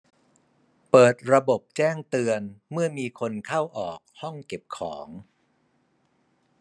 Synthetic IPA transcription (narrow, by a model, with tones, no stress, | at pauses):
pɤː˨˩t̪̚ɾa˧bo˨˩p̚t͡ɕɛː˥˩ŋt̪ɯ˧ənmɯ˥˩ɐmiː˧kʰo˧nkʰa˥˩wʔɔː˨˩k̚hɔ˥˩ŋke˨˩p̚kʰɔː˩˦ŋ